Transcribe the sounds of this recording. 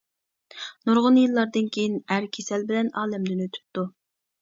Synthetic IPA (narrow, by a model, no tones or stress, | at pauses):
nuɾʁʊnjilˠːɑɾd̪ɨnkʲʰejinæɾkʲʰesɛlbɪlɛnɑːlɛmd̪ɪnøt̪ʰy̥pt̪ːu